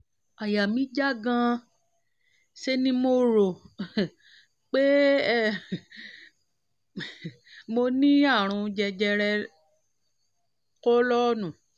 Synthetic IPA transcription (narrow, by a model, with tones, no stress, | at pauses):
a˨ja˨mĩ˨˦d͡ʒa˦ɡã˧ | ʃe˦nĩ˦mo˧ɾo˨ | k͡pe˦˨ | mo˧nĩ˦a˦˨ɾ̃ũ˧d͡ʒɛ˧d͡ʒɛ˧ɾɛ˧ | kɔ˦lɔ˦nũ˨